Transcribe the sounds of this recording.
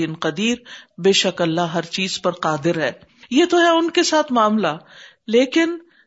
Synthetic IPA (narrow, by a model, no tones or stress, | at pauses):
ɪnqɐd̪iːɾbeːʃɐkɐlːaɦɐɾt͡ʃiːz̥pɐɾqaːd̪ɪɾɦɛː | jet̪oɦɛʊnkesaːt̪ʰmaːmla | leːkɪn